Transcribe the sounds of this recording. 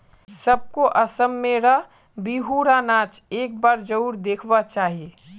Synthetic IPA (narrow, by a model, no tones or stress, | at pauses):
səb̚koʔɐsəmːeɾəɦ | biɦuɾanaːt͡ʃeːk̚baːɾd͡ʒəʊɾd̪eːkʰʋat͡ʃaːɦie